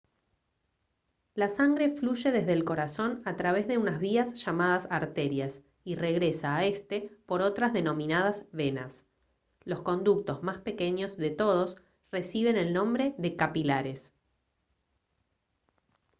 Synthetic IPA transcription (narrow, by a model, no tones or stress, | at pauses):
lasaŋɡɾe̞fluʒe̞ðe̞zðeːlko̞ɾaso̞nat̪ɾaβ̞e̞zðe̞unazβiasʃamaðasaɾt̪e̞ɾjas | ire̞ɣɾe̞saːe̞st̪e̞po̞ɾo̞t̪ɾazðe̞no̞mĩnað̞azβe̞na̰s | lo̞sko̞nd̪uk̚t̪o̞zmaspe̞ke̞ɲo̞zðe̞t̪o̞ð̞o̞s | re̞siβ̞e̞ne̞lnõ̞mbɾe̞ðe̞kapilaɾe̞s